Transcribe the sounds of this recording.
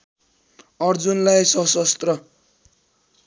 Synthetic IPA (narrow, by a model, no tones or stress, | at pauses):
ʌrd͡zunlajsʌsʌst̪rʌ